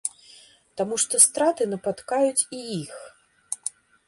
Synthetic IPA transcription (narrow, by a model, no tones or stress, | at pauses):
t̪amuʂt̪ɔst̪ɾat̪ɨnɐpat̪kajut͡sʲijix